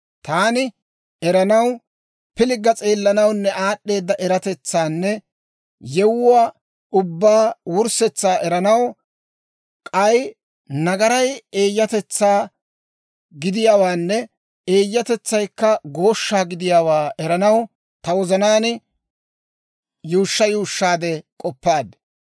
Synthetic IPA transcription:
t̪aːnɪ | ɛɾɐnɐw | pɪlɪɡɐt͡sʼe̞ːlːɐnɐwnːɛaːɗːe̞ːd̪ːɐʔɛɾɐt̪ɛt͡sːaːnːɛ | jɛwʊwaː | ʊbːaːwʊɾsɛt͡sːaːʔɛɾɐnɐw | kʼɐj | nɐɡɐɾɐje̞ːjːɐt̪ɛt͡sːaː | ɡɪd̪ɪjaːwaːnːɛ | eːjːɐt̪ɛt͡sːɐjkːɐɡo̞ːʃːaːɡɪd̪ɪjaːwaːʔɛɾɐnɐw | t̪ɐwɔzɐnaːnɪ | juːʃːɐjuːʃːaːd̪ɛkʼɔpːaːd̪

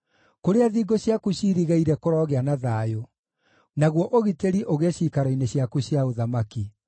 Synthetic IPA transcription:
koɾeaðiːɡoɕjakuɕiːɾiɣaiɾɛkoɾɔːɣeanaðaːjo | naɣwɔʔoɣiteɾiʔoɣeɕiːkaɾɔineɕiakuɕjaoðamaki

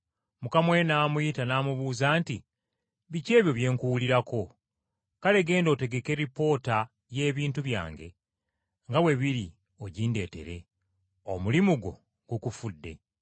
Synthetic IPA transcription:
mukamwe̞naːmujitanaːmuβuːzaːnti | βice̞ːβjo̞βje̞ːŋkuwuliɾako̞ | kale̞ɡe̞ːndo̞ːte̞ɡe̞ke̞ɾipo̞ːta | je̞ːβiːntuβja̰ːŋɡe̞̰ | ŋɡawe̞βiɾi | o̞ɟiːnde̞ːte̞̰ɾe̞ | o̰mulimuɡo̞̰ | ɡukufudːe̞̰

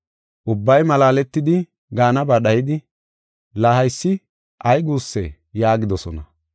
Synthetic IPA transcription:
ʔʊbːɐjmɐlaːlɛt̪ːɪd̪ɪ | ɡaːnɐbɐɗɐjɪd̪ɪ | lahɐjsːɪ | ʔɐjɡuːsːɛ̰ | jaːɡɪd̪ɔsɔ̰nɐ

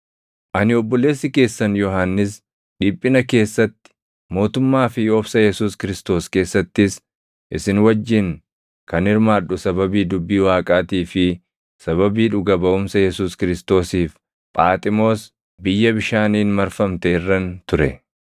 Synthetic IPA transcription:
ʔɐnɪɔbːɔle̞ːsːɪke̞ːsːɐnjɔɦaːnːɪs̬ | ᶑiːpʼːɪnɐke̞ːsːɐt̪ːɪ̥ | mo̞ːt̪ʊmːaːfɪjɔbsɐjɛsuːskɪɾɪst̪o̞ːske̞ːsːɐt̪ːɪs | ʔɪsɪnwɐd͡ʒːɪŋ | kɐnɪɾmaːᶑʊsɐbɐbiːd̪ʊbːiːwaːkʼaːt̪iːfɪ | sɐβɐbiːᶑʊɡɐbɐʔʊmsɐjɛsuːskɪɾɪst̪o̞ːsiːf | pʼaːt̪ʼɪmo̞ːs | bɪjːɐbɪʃaːniːnmɐɾfɐmt̪ɛɪrːɐnt̪ʊɾɛ

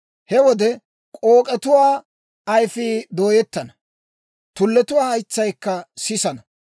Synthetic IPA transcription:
hɛwɔd̪ɛ | kʼoːkʼɛt̪ʊwaː | ɐjfiːd̪o̞ːjɛt̪ːɐnɐ | t̪ʊlːɛt̪ʊwaːɐjt͡sːɐjkːɐsɪsɐnɐ

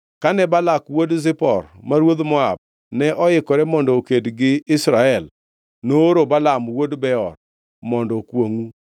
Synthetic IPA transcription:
kanɛbalakwodzɪpɔɾmaɾwoðmɔa̰b̚ | nɛʔɔɪkɔɾɛmɔndɔokedɡɪɪsɾaɛl | noːɾobalamwodbɛɔɾ | mɔndɔkwoŋu

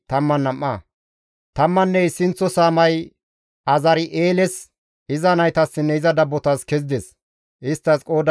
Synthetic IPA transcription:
t̪ɐmːɐnːɐmːɐ | t̪ɐmːɐnːɛɪsɪnt͡sːɔsaːmɐj | ɐzɐɾɪʔeːlɛs | ɪzɐnɐjt̪ɐsːɪnːɛɪzɐd̪ɐbːɔt̪askɛzɪd̪ɛs | ʔɪst̪ːɐskʼoːd̪

